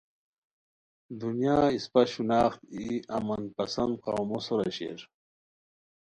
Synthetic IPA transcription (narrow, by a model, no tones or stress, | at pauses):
d̪unjaːispɐɕunaːxt̪iɐ̰mɐnpɐsɐnd̪qɑwmosoɾɐɕḛːɾ